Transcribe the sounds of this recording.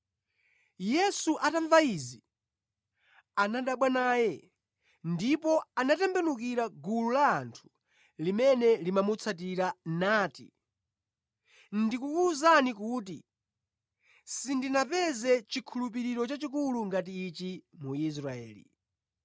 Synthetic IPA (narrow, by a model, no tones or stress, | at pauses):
jɛsuʔataɱvaizi | anaɗaɓwanaːjɛ | ndipɔanatɛmbɛnukiɾaɡululaːntʰu̥ | limɛnɛlimamut͡sʰat̬iɾanaːtḭ | ndikuuzanikuːt̬ḭ | sindinapɛzɛt͡ʃikʰulupiɾiɾɔt͡ʃat͡ʃikuluŋɡat̬iːt͡ʃimuis̬ɾaɛ̰ːlḭ